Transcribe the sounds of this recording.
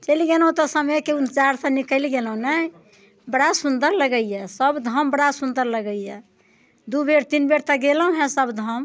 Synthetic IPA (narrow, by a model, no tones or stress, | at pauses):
t͡ʃəliɡelɦũt̪ɔsəməjkeunt͡ʃaɾsə̃nikəliɡelɦũnə | bəɽasund̪əɾləɡəijɛsəbd̪ʱəmbəɽasund̪əɾləɡəijɛ | d̪ubeɾt̪inbeɾt̪əɡelɦũɦɛ̃səbd̪ʱəm